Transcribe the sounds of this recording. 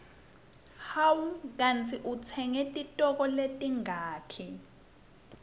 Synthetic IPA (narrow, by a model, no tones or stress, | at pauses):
hawuk̬ant͡sʰiʔut͡sʰɛŋɛtʼitʼɔk̬ɔletʼiŋaːtʰi